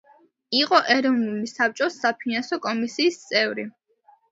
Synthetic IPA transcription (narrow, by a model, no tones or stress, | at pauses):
iqʼɔʔɛɾɔvnulisap̚t͡ʃʼɔsːapʰinansɔkʼɔmisiːst̪sʼɛvɾi